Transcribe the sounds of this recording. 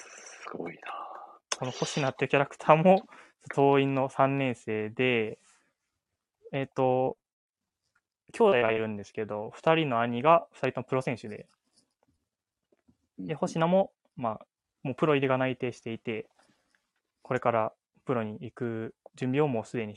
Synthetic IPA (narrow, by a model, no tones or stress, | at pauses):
ɨ̥ɡo̰inako̞no̞ho̞ɕinat̪ːeɯ̟kʲaɾakɯ̟̥t̪ʰaːmo̞ | t̪t̪o̞ːĩnːo̞sãnːẽ̞ɰ̃se̞ːd̪e̞ | t̪ːo̞ | kʲʰo̞ːd̪ajɡaiɾɯ̟̃nd̪e̞sɨ̥ke̞d̪o̞ɸɯ̟̥t̪aɾʲino̞aɲ̟iɡaɸɯ̟t̪aɾʲit̪o̞mopɯ̟ɾo̞sẽ̞ɰ̃ɕɨd̪e̞̰ | d̪e̞ho̞ɕinamo̞ | ma | mo̞ːpɯ̟ɾo̞iɾʲiɡanait̪e̞ːɕi̥t̪e̞it̪e̞ | kʰo̞ɾe̞kaɾa | pɯ̟ɾo̞ɲ̟iikɯ̟d͡ʑɨ̃mbʲio̞mo̞ːsɨd̪e̞ɲ̟i